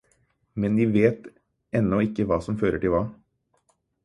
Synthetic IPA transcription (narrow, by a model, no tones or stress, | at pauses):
mɛnd̪iːʋeːt̪ | ɛnːɔɪkːəʋɑːsɔmføːɾəʈɪlʋɑː